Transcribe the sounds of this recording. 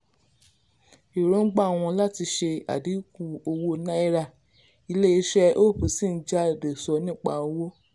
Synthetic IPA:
i˨ɾõ˨˦ɡ͡ba˦˨w̃ɔ̃˧la˦ti˧ʃe˧a̰˨di˨˦ku˦˨o˧wo˧nã˦i˦˧ɾa˦˨ | i˧le˦i˧˦ʃɛ˦ʔo˦˨pu˨si˦˨n̩˦d͡ʒa˦˨de˨sɔ˧˦nĩː˦˨k͡pa̰˧o˧wo˦

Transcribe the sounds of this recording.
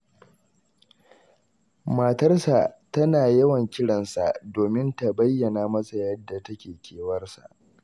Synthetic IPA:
ma˨tɐ˦rsa˨tɐ˦naː˨jɐ˦wɐ˨ŋkʲɪ˦ɽɐ˨nsa̰˨ʔdoː˨mɪ˦nta˨bɐ˦jːɐ˨naː˨mɐ˦sa˨jɐ˦dːa˨tɐ˦kʲeː˨kʲʰeː˨wɐ˦rsa̰˨ʔ

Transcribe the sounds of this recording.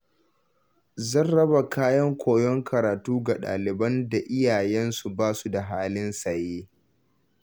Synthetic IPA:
zɐ˦nɽɐ˦ba˨kaː˦jɐ˦ŋkʷʰoː˨jɔ˦ŋkʰɐ˨ɾaː˨tuː˦ɡa˨ɗa̰ː˨lɪ˨bɐ˦nda˨ʔɪ˦jaː˨jɛ˦nsu˨baː˦su˨da˨ɦaː˦lɪ˦nsɐ˨jeː˦

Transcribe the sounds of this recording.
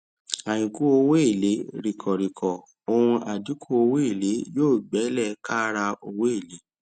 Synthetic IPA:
a˨j̃ĩ˨ku˦o˧we˦i˦˨le˨˦ɾi˨kʰɔ˨ɾi˨kʰɔ˨ | o˧ɾũ˧a˨du˨˦kʰu˦o˧we˦i˦˨le˨˦joː˦˨ɡ͡bɛ˨˦lɛ˦˨ka˦ɾa˧o˧we˦e˦˨le˨˦

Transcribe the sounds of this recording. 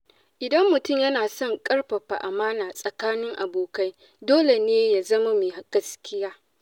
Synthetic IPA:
ʔɪ˨dɐ˦mːʊ˨tʊ˦˨mjɐ˦naː˨sɔ˦˨ŋkʼɐ˦rɸɐ˨ɸa̰˨ʔa˨maː˦naː˨sʼɐ˨kaː˦nɪ˦ŋʔa˨boː˨ka˦j | doː˦le˨neː˦ja˨zɐ˦ma˦mi˨ha˨ɡ̥ɐ˦skʲɪ˦jaː˦

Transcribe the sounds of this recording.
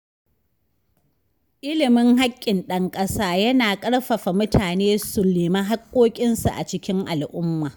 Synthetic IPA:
ʔɪ˦lɪ˨mɪ˦ŋɦa˦kʲʼːɪ˨nɗɐ˦ŋkʼɐ˦saː˦jɐ˦naː˨kʼɐ˦ɽɸɐ˨ɸa˨mʊ˦tʰaː˨neː˦sʊ˨leː˨ma˦ɦa˦kʷʼːoː˦kʲʼɪ˦nsa˨ʔa̰˨t͡ʃɪ˦kʲɪ˦ŋʔa˨lʔʊ˦mːaː˨

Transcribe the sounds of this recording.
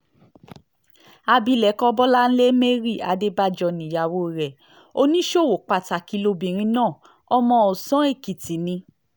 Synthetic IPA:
a˧bi˧˦lɛ˨˦kɔ˦bɔ˦la˦n̩˦le˦me˦ɾi˦˨a˨˦de˦ba˦d͡ʒɔ˧nĩ˨ja˧˨wo˦˨ɾɛ˨ | o˦˧nĩ˦ʃo˦˨wo˨k͡pa˧˨ta˨ki˧˦lo˧bĩ˨ɾ̃ĩ˧nãː˦˨ | ɔ˧mɔ̃˧ɔ˨sɔ̃˨˦e˦˨ki˨ti˨nĩ˧

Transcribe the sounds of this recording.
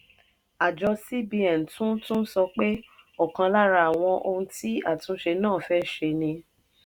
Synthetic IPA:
a˨d͡ʒɔ˧si˦bi˧ɛ˨n̩˨tũ˦tũ˦sɔ˧k͡pe˦o˦˨kã˧la˦ɾa˧a˨w̃ɔ̃˧ʔo˧ũ˧ti˦a˦˨tũ˨˧˦ʃe˧nãː˦˨fɛ˦ʃe˧nĩ˧

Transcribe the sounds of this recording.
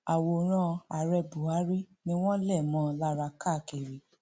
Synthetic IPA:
a˨wo˧˨ɾ̃ã˧a˨ɾɛ˧bu˨a˨˦ɾi˦ | nĩ˧˦w̃ɔ̃˦lɛ˦˨mɔ̃˨˧˦la˦ɾa˧ka˦˨ke˨ɾi˨˦

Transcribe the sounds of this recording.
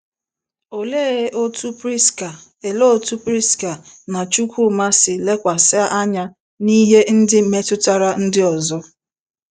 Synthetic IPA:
o˨le˦˨˦ʔo˦tu˦pɾi˦ska˨ | e˨lo˦˨tu˦pɾi˦ska˨ | na˨t͡ʃu˦kʷu˦˨ma˦sɪ˨le˦kʷa˨sɪ˦a˦ʔa˦ɲa˦ | ni˦ɦe˦n̩˦dɪ˦me˦tʊ˦ta˦ɾa˦n̩˦dɪ˦ɔ˨zɔ˦

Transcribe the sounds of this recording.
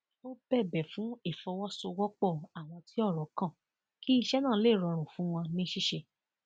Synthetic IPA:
o˦bɛ˦˨bɛ˨fũ˨˦e˦˨fɔ˧wɔ˦so˧wɔ˦k͡pɔ˦˨a˨w̃ɔ̃˧ti˦ɔ˦˨ɾɔ˨˦kã˦˨ | ki˦i˧ʃɛ˦nãː˦˨˦le˦˨ɾɔ˨˧ɾ̃ũ˨fũ˨˦w̃ɔ̃˧nĩ˦ʃi˦ʃe˧

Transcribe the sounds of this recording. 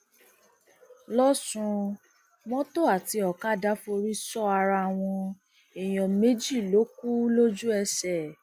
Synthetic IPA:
lɔ˦sũ˧ | mɔ̃˦to˦a˨ti˧ɔ˨ka˦da˨˦fo˧ɾi˦sɔ˦a˧ɾa˧˨w̃ɔ̃˧ | e˨j̃ɔ̃˨me˦d͡ʒi˦˨lo˨˦ku˦lo˦d͡ʒu˦ɛ˧sɛ˨

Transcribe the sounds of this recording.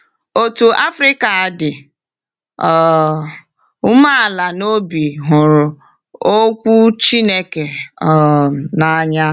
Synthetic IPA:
o˨tu˨ʔa˦fɾi˦ka˨a˨dɪ˨ | ɔ˨ | ʊ˦ma˦a˨la˨no˦bi˨ɦʊ˨ɾʊ˨ | o˦kʷu˦t͡ʃi˦ne˦ke˨ɔ˨na˦ɲa˦

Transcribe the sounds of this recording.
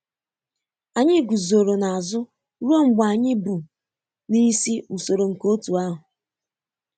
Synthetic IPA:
a˨ɲɪ˦ɡu˨zo˨ɾo˨na˨a˨zʊ˦ | ɾu˦o˦ŋ͡m̩˦ɡ͡ba˨ɲɪ˦bu˨ | ni˦si˦u˨so˨ɾo˨ŋ̩˨ko˦tu˨a˦ɦʊ˨

